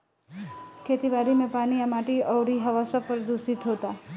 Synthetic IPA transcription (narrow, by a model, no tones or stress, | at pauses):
kʰeːt̪ibaːɾimẽpaːnijamaːʈiɔːɽiɦɐʋaːsapəɾd̪uːsɪt̪ɦoːt̪aː